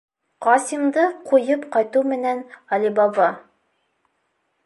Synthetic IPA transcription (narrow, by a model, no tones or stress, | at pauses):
qɑsimd̪ɤqujɤpqɑjt̪umɘ̆nænɑlibɑbɑ